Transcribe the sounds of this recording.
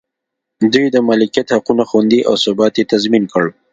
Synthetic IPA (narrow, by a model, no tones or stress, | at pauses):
d̪ujd̪əmalɪkijat̪haqunaxand̪iʔawsʊbɑt̪jet̪azminkəɽ